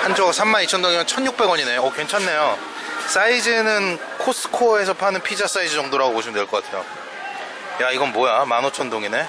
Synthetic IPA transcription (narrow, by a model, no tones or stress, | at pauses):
hand͡ʑʰoɡasʰamːanit͡ɕʰʌndoŋiɲɯnt͡ɕʰʌnjuk̚p͈e̞ɡwʌɲine̞ʌke̞nt͡ɕʰanːe̞jo | s͈aid͡ʑɯnɯn | kʰos͈ʰɯ̥kʰoe̞sʰʌpʰanɯnpʰid͡ʑas͈aid͡ʑɯd͡ʑʌŋdoɾaɡopoɕʰimɯndweɭk͈ʌk͈atʰe̞jo̰ | jaiɡʌnmojamanot͡ɕʰʌndoŋine̞